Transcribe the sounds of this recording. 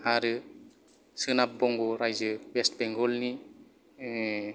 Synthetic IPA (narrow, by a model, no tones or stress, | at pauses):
aɾɯ | sɯnap̚bɔŋɡɔɾajzɯbestbɛŋɡɔlni